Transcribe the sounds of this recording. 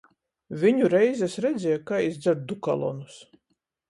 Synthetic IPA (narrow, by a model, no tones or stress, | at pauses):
vʲiɲuɾɛjzʲɛsɾɛd̪zʲɛjakaːizd̪zɛɾd̪̚d̪uka̰lˠɔ̰nus